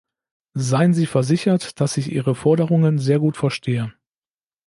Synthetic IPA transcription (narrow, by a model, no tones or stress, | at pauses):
zaɪənziːfɛɐzɪçɐtd̥asɪçʔḭːʁəfɔɐɾəʁʊŋənzeːɐɡuːtfɛɐʃtʰeːə